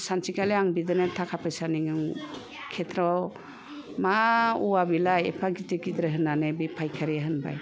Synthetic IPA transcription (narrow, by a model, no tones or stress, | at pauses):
sansikaleaŋbidɯnetʰakʰapʰɯjsaniŋɯŋ | kʰetʰɾɔ | mauwabilajḛpʰaɡiteɡidɾeɦɯnanebipʰajkʰaɾiaɦɯnba̰j